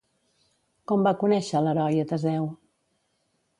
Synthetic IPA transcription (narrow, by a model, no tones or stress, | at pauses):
kɔmbakunɛʃələɾɔjət̪əzɛw